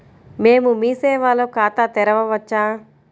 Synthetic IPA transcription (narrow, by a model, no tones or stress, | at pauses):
meːmumiːsɛːʋaːlokaːt̪at̪ɛɾɐʋɐʋɐt͡ʃːaː